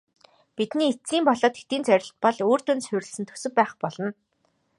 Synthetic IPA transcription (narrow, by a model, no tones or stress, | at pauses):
pit̪niːet͡siːmpɔɮɔːt̪xet̪iːnt͡sœɾʲɪ̆ɬt̪̚pɔɮoːr̥t̪ɵnsʊɾʲɪ̆ɮsɘ̆nt̪ʰɵ̥sɵ̆k̚pæːχpɔɮɞ̆n